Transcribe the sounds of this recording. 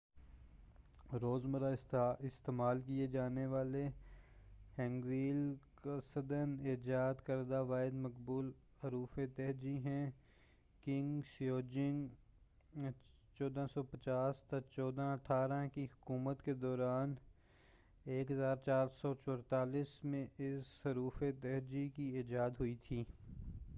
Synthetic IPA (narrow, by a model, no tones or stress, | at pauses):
ɾoːzməɾaɪsɪst̪eːmaːlkied͡ʒaːneʋaːle | hɛ̃ːŋɡʋiːlkasəd̪əneːd͡ʒaːd̪kəɾd̪aʋaːɪd̪məkbuːl | ɦɐɾuːfet̪ɛɦd͡ʒiɦɛ̃ː | kɪ̃ŋɡsjoːd͡ʒɪ̃ŋɡ | t͡ʃɔːd̪ãsɔpɐt͡ʃaːst̪ɐt͡ʃɔːd̪ãɐʈʰaːɾãkiɦʊkuːmət̪ked̪ɔːɾaːn | eːkɦəzaːɾt͡ʃaːɾsɔt͡ʃɔɾt̪aːliːsmẽɪsɦɐɾuːfet̪ɛɦd͡ʒikieːd͡ʒaːd̪ɦʊit̪ʰiː